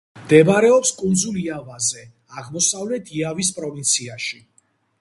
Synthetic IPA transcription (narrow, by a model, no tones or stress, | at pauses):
md̪ɛbaɾɛɔpskʼund̪zuliavazɛ | aʁmɔsavlɛt̪ʰiavispʼɾɔvint̪sʰiaʃi